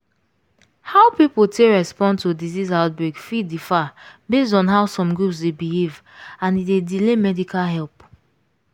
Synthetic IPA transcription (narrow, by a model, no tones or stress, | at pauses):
haʊpipul̩tʰeɹɛspɔ̃ntʰudizizaʊt̚bɹeɡfidifabesdɔ̃nɦaʊsɔ̃mɡɹupsdebilivãnidedilemɛdikʰalɦɛlp